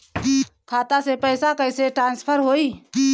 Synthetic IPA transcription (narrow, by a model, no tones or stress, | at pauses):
kʰaːt̪asepɛːɪsakəɪseʈɾaːnspʰəɾɦoːiː